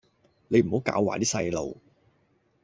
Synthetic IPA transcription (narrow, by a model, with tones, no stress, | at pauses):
ne˨˧jm̩˨˩ho˨˥wkaː˧˥wːa̰ː˨˩t̪iː˥sɐ˧jlo̰˨˩w